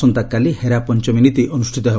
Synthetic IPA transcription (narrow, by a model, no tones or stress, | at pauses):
ɔnt̪akːaliheɾapɔnt͡ʃɔminit̪iʔɔnusʈʰit̪ɔɦeb